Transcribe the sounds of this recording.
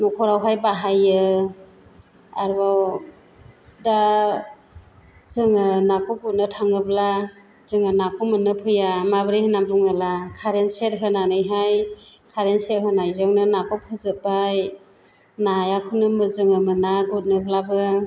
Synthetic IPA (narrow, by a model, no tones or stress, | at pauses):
nɔkʰɔɾawɦajbaɦajɯ | aɾbaw | da | zɯŋɯnakʰɔɡut̚nɯtʰaŋɯbla | z̥ɯŋɯnakʰɔmɯnɯpʰɯjamabɾihɯnambuŋalakʰaɾensetɦɯnanɯjɦajkʰaɾenset̚ɦɯnajzɯŋnɯnakʰɔp̚ʰɯzɯbaj | najakʰunɯmɯzɯŋɯmɯnaɡut̚nɯblabɯ